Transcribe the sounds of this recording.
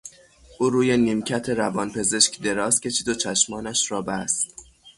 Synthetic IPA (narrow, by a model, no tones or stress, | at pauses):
ʔuːɾuːjeniːmcʰæt̪ʰe̞ɾævɒːnpʰe̞ze̞ʃkʲd̪e̞ɾɒːscʰʲe̞t͡ʃʰiːd̪ot͡ʃʰæʃmɒːnæʃɾɒːbæst̪